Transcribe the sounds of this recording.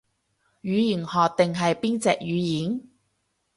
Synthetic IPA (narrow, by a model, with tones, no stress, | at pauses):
jyː˨˧ji˨˩nhɔː˨˧k̚t̪ɪ˨ŋɦɐ˨jpiː˥nt͡sɛ̰ː˨k̚jyː˨˧jiː˨˥n